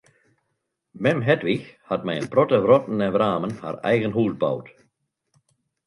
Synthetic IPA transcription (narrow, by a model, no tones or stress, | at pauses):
mɛmɦɛtʋixhatmɛjənprɔtəʋrɔtn̩ɛʋraːmənha̰rɛ̰jɣənɦuːzba̰wt